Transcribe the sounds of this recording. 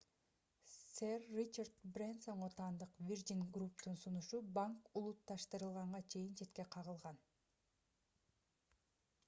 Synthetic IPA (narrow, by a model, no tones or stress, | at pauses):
serːit͡ʃard̪brʲenso̞ɴʁot̪ɑːnd̪ɯqvʲird̪ʲinɡrupt̪unsunuʃubaŋkulˠut̪ːɑʃt̪ɯɾɯlˠʁɑɴʁɑt͡ʃʰe̞jint͡ʃʰe̞t̪̚ke̞qʰɑʁɯlˠʁɑn